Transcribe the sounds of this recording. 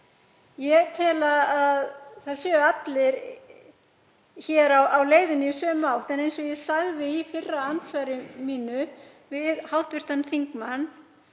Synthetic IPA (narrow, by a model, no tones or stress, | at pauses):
jɛt̪ʰɪːlaaðθaðsɛːʏat̪lɪɾ | çɛːɾawawleːjðɪnɪisœːmaːwht̪ɛnejnsɔjɛsaɣðɪifɪrːaant̪svaːjɾɪmiːnʏ | vɪðhawht̪vɪst̪anθiŋkmanː